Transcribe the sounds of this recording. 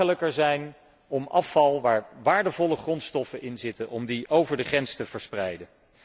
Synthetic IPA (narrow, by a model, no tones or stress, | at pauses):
ələkəɹzɛjn | ɔmɑfɑlˠʋaːɹʋaːɹdəvɔləχrɔntstɔfənʔɪnzɪtənʔɔmdiʔowvəɹdəχrɛnstəv̥əɹsprɛjdə